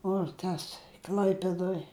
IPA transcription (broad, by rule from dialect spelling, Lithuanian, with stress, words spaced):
oː ˈtɐs ˈklʲɐɪpʲeːdoːj